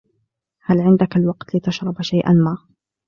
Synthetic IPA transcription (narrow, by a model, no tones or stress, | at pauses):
halʕɪnd̪akalwɑqt̪lɪt̪aʃɾˤɑbʃajʔa̰nmaː